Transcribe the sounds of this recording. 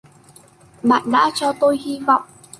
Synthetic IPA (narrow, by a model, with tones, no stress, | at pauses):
ɓa̰ː˧˨nɗa̰ː˧˥t͡ɕɔ˧t̪o˧jhi˧vɔ̰˧˨wŋ͡mʔ